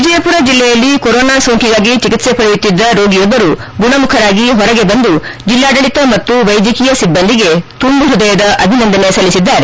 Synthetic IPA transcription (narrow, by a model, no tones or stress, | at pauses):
ʋid͡ʒɐjɐpuɾɐd͡ʒilːɛjɐlːikoɾoːnaːsoːŋkʰiɡaːɡit͡ʃikit̪se̞pɐɽijut̪ːid̪ːɐɾoːɡijɔbːɐɾu | ɡuɳɐmukʰɐɾaːɡiɦɔɾɐɡe̞bɐnd̪ud͡ʒilːaːɖɐɭit̪ɐmɐt̪ːuʋɐjd̪jɐkijɐsibːɐnd̪iɡe̞t̪umbuɦud̪ɐjɐd̪ɐʔɐbʱinɐnd̪ɐnesɐlːisid̪ːaːɾe